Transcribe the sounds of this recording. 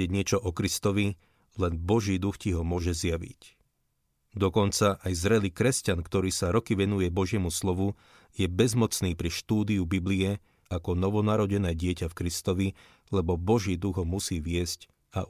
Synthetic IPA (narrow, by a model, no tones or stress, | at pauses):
ɛɟɲɪɛt͡ʃɔʔɔkɾist̪ɔʋi | lɛnbɔʒiːd̪uxciɦɔmʊɔʒɛzjaʋḭc | d̪ɔkɔnt͡saʔajzɾɛliːkɾɛscankt̪ɔɾiːsaɾɔkiʋɛnujɛbɔʒɪɛmuslɔʋu | jɛbɛzmɔt͡sniːpɾiʃt̪uːd̪iubibliɛ | akɔnɔʋɔnaɾɔɟɛnɛːɟɪɛcafkɾist̪ɔʋi | lɛbɔbɔʒiːd̪uɣɦɔmusiːʋɪɛsc | a